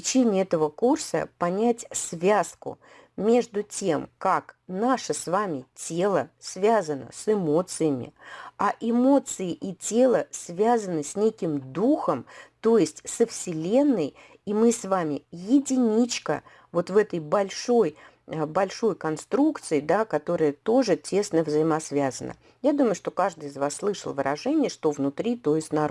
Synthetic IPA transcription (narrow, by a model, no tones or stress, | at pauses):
ɪt͡ɕenʲɪɛt̪əvəkursə̰pɐnʲætʲsvʲaskʊ̰ | mʲe̞ʐd̪ʊtʲe̞mkaknaʂəsvamʲɪtʲe̞lˠəsvʲazənə̰sɪmo̞t̪sɨjəmʲɪ̰aʔɪmo̞t̪sɨɪʔitʲe̞lˠəsvʲazənɨsʲnʲekʲɪmd̪uxəmt̪o̞jɪsʲtʲsəfsʲɪlʲe̞nːəj | imɨsvamʲɪjɪdʲɪnʲit͡ɕkə̰ | vo̞t̪vɛt̪əjbɐlʲʂo̞j | bɐlʲʂo̞jkɐnst̪ɾukt̪sɨɪd̪akɐt̪o̞ɾəjət̪o̞ʐɨtʲe̞snəvzəɪmɐsvʲazənə̰ | jad̪uməjʊʂt̪o̞kaʐd̪ɨɪzvasːlˠɨʂəlˠvɨɾʔɐʐɛnʲɪjəʂt̪o̞vnʊt̪ɾʲit̪o̞jɪsʲtʲna